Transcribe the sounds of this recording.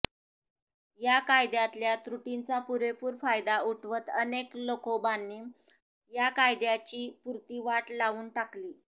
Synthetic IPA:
jakajd̪jat̪ljat̪ɾuʈint͡sapuɾepuːɾfajd̪auʈʰʋət̪əneklokobanːiː | jakajd̪jat͡ɕiːpuɾt̪iːʋaʈlaʋuːnʈakliː

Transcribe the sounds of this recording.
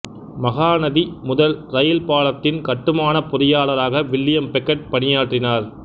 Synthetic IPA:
mɐɣaːnɐðimʊðɐlɾɐjɪlpaːlɐt̪ːɪnkɐʈːɯmaːnɐpʊðɪjaːlɐɾaːɣɐʋɪɭːɪjɐmpɛkːɐʈ̚pɐnɪjaːʈrɪnaːɾ

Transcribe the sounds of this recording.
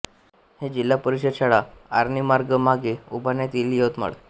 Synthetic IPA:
hed͡ʑilːapəɾiɕəd̪ɕaɭaaɾnimaɾɡəmaɡeṵbʱanjat̪iljot̪ma̰ɭ

